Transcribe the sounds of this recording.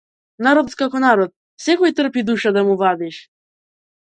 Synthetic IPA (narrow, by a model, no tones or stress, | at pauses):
naɾɔt̪kakɔnaɾɔt̪̚ | sɛkɔjt̪r̩pid̪uʃad̪amuvad̪iʃ